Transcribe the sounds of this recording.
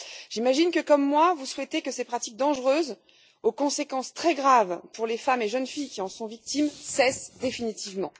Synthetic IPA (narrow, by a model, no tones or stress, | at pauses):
ʒimaʒinkəkɔmːwavuswɛt̪ekəsepχat̪ik̚d̪ɑ̃ʒʁøz | okɔ̃sekɑ̃st̪χɛɡʁavpuʁlefameʒənfijkʲiɑ̃sɔ̃vik̚t̪imsɛsd̪efinit̪ivmɑ̃